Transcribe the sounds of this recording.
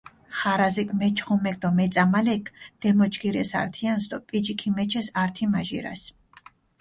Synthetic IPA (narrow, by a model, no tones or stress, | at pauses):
χaɾazikʰʼmɛt͡ʃʰχumɛk̚ʼd̪ɔmɛt̪sʼamalɛkʰd̪̥ɛmɔt͡ʃʰʼkʰiɾɛ̰sa̰ɾt̪ʰiansd̪ɔpʼid͡ʒikʰimɛt͡ʃʰɛsaɾt̪ʰimaʒḭɾa̰s